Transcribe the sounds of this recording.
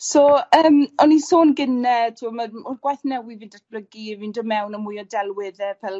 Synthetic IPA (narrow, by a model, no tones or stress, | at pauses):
soːəːmɔnisoːnɡɪnɛtʰuːməmʊrɡwajθnɛwivɨːndat̚ʰb̥ləɡiɛvindɔmɛwnəmujɔdɛlˠwɪðɛpʰɛlˠ